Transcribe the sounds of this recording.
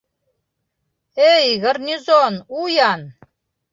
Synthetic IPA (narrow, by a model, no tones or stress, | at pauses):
ejɣərnʲizonujan